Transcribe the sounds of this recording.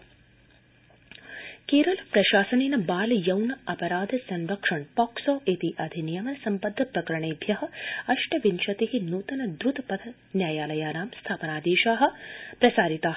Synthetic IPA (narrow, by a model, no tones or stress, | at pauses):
keːɾɐlpɾɐʃaːsɐninɐbaːljɐwnɐɐpɐɾaːd̪ʱɐsɐnɾɐkʂɐɳpɔːksoːʔet̪iʔɐd̪ʱinijɐmɐnsɐmpɐd̪ʱːɐpɾɐkɐɾɐɳeːbʱjɐɦɐ̆ɐʂʈɐʋinʃɐt̪eɦinuːt̪ɐnɐd̪ɾut̪ɐpɐd̪ʰɐ | njaːjaːlɐjaːnaːmst̪ʰaːpɐnaːd̪iːʃaːɦɐ̆pɾɐsaːɾit̪aː